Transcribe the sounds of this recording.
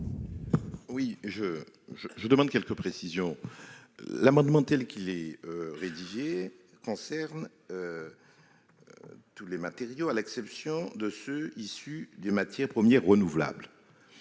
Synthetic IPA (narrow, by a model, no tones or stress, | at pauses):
wiʒə | ʒəʒəd̪əmɑ̃d̪kʲɛlkəpχesizjɔ̃ | lamɑ̃d̪mɑ̃t̪ɛlkʲilɛøʁed̪iʒe | kɔ̃sɛʁn | ø | t̪ulemat̪eʁjoalɛksɛpsjɔ̃d̪əsøisyd̪ynmat̪jɛʁpχəmjɛʁːənuvla̰bl